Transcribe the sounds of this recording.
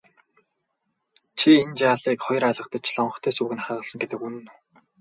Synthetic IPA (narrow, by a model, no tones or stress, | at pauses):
t͡ɕʰient͡ɕaːɮiːkχɔjɞ̆raɮʁə̆qt̪ə̆t͡ɕʰɮɔɴɢɞ̆t̪ʰœːsuːɣɘ̆nχaːʁə̆ɮsə̆ŋɡet̪ɘ̆kunɘ̆nu